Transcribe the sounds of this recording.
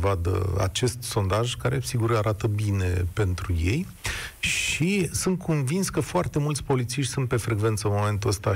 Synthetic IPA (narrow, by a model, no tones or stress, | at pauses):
vad̪ə̰a̰t͡ʃe̞st̪so̞nd̪aʒkaɾesiɡuraɾʔat̪əbine̞pe̞nt̪ɾuje̞j | ʃisunt̪̚kʰonvinskəfoart̪e̞mult̪sʲpo̞lit̪siʃt̪ʲsunt̪̚pe̞fɾe̞ɡve̞nt̪səɨnmo̞me̞nt̪uəst̪a